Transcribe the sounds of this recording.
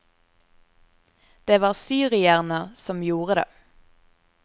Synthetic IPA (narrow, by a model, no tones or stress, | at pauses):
d̪̥eːʋɑːʁsyːʁɪæʁnəʁsɔmjuːʁəd̪ḛː